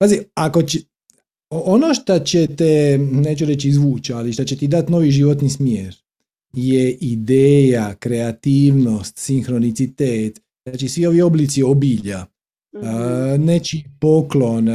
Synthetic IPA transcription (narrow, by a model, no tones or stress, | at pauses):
paːziako̞t͡ɕ | oonoʃt̪at͡ɕet̪eneːt͡ʃuɾet͡ʃizʋuːt͡ʃaliʃt̪at͡ɕet̪id̪at̪no̞ːʋiʒiʋot̪nismjeːɾ | jeʔid̪eːjakɾe̞at̪iːʋno̞st̪sinxɾo̞nit̪sit̪eːt̪ | z̥aːt͡ʃisʋio̞ʋio̞blit̪sio̞biːʎa | net͡ʃipoklon